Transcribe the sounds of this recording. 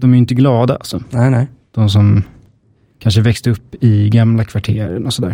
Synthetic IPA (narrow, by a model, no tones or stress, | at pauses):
d̪ɔmæɾjɪnt̪əɡlɑːd̪a̰a̰lsɔɛd̪̥ɔms̬ɔm | kʰanʂəvɛkst̪əɵpːɪɡamlakʰvaʈʰeːɾə̰ɳɔsɔd̪æ̰ːɾ